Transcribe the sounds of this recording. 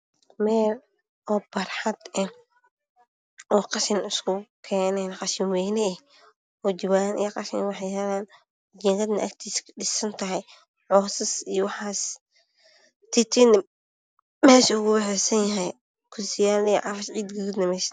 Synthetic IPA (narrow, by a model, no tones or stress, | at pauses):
mɛːl | ʔɔːb̥ɐrħɑd̪ɛ | ʔɔːqɑʃɪnʊskʰʊkʰɛːnɛnqɑʃɪnwɛːnɛ | ɔːd͡ʒɪwaːnʔḭjqɑʃɪnwɑħɛjhɛlaːn | d͡ʒɛːŋɡɐd̪nɐ̰ʔɐ̰kt̪ʰiːskʰɐ̥ɗɪsɐnt̪ʰɐɦɛj | ʕɔːsɐsijɔwɑħɑːs | t̪ʰɪt̪ʰin | mɛːʃɐʊɣʊbɛħɛsɐnjɐɦɛj | kʰʊsɪjaːlnɛj̰ʕɑfɐʃʕiːd̪ɡʊɡud̪nɐmɛːʃ